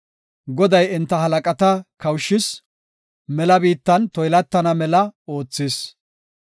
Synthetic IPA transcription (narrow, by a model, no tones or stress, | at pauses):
ɡɔd̪ɐjɪnt̪ːɐɦɐlɐkʼɐt̪ɐkɐwʃːɪs | mɛlɐbiːt̪ːɐnt̪ɔjlɐt̪ːɐnɐmɛlɐo̞ːt͡sːɪs